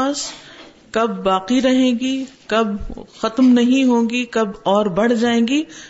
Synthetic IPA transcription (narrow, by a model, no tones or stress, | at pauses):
aːs | kɐbːaːqiɾɐɦẽːɡikɐbxɐt̪mnɐɦĩɦõːɡikɐbɔːɾbɐɽ̤d͡ʒaːẽːɡiː